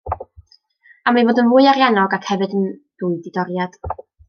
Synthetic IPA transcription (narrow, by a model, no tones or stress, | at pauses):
amajvoːdənvʊɨaɾjanɔɡakʰhɛvɨdənd̥uːɨdɪdɔɾjad̥